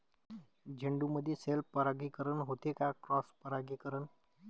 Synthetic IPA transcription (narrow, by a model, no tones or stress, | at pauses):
d͡ʒʱəɳɖuməd̪ʱjeselpəɾaɡikəɾənɦot̪ekakɾɔspəɾaɡikəɾən